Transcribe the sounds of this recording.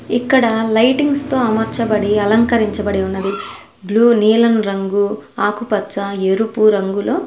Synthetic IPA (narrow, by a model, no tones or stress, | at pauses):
ikːɐɽɐlɐjʈiŋɡst̪o̞ːɐmɐɾt͡ʃɐbɐɽiɐlɐŋkɐɾiɲt͡ʃɐbɐɽeunːɐd̪i | bluːniːlɐnɾɐŋɡuaːkupɐt͡ʃːɐeɾupuɾɐŋɡuloː